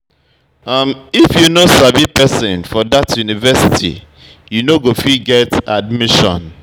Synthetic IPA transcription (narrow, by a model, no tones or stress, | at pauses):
amifjunosabipɛsɪ̃nfɔdatʰjunivɛsitʰḭ | junoɡofiɡɛtad̚miʃɔ̰̃n